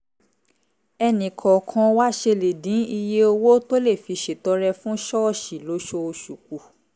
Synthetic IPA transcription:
ɛ˧nĩ˨kʰɔ̃˨kʰɔ̃˧wa˦ʃe˧le˨dĩ˨˦i˧je˦o˧wo˦to˦le˦˨fi˨˧ʃe˨tɔ˨˦ɾɛ˧fũ˦ʃɔ˦˨ʃi˨lo˨˦ʃo˧o˧ʃu˨k̚u˨

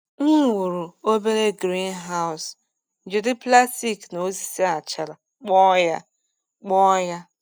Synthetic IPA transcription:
ŋ̩˦wu˨ɾu˨o˦be˦ɾe˦ɡɾi˦n˦ɦa˦ʊ˨s | n̩˨d͡ʒe˨dɪ˦pla˦sti˦˨kno˨˦si˨si˦a˨t͡ʃa˨la˨ | k͡pɔ˦ja˦ | k͡pɔ˦ja˦

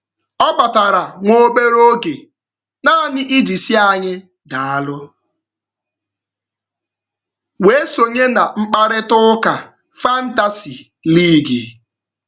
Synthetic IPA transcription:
ɔ˦ba˨ta˨ɾa˨ŋʷo˦be˦ɾo˦ɡe˨ | na˦˨nɪ˦ʔi˦d͡ʒi˨si˦a˨ɲɪ˦ | da˨a˦lʊ˦ | we˨˦so˨ɲe˦na˨ŋ͡m̩˦k͡pa˦ɾɪ˦tʊ˦ka˨ | fa˦n̩˦ta˨si˨ | li˦˨ɡe˨

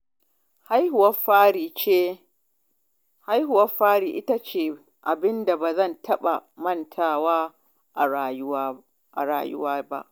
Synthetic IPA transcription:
ha˦jhʊ˨wɐ˦faː˦ɽiː˨t͡ʃeː˦ | ha˦jhʊ˨wɐ˦ɸaː˦ɽiː˨ʔɪ˦ta˦t͡ʃeː˨ | ʔa˨bɪ˦nda˨baː˨zɐ˦˨ntʰɐ˦ɓa˨mɐ˦˨ntʰaː˦waː˦˨˦ | ʔa˨ɾa̰ː˨jʊ̰˦waː˦ba̰˦ʔ

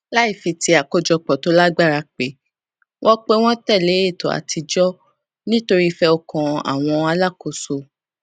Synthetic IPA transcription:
la˦i˦˨fi˨˧ti˧a˨ko˦d͡ʒɔ˧k͡pɔ˨to˨˦la˦ɡ͡ba˦˨ɾa˧k͡pe˨˦ | wʔɔ̃˦k͡pe˦w̃ɔ̃˦tɛ˦˨le˨˦e˦˨to˨a̰˨tʰi˧d͡ʒɔ˦ | nĩ˦to˧ɾi˦fɛ˦ɔ˧kɔ̃˨a̰˨w̃ɔ̃˧a˧la˦˨ko˨so˨

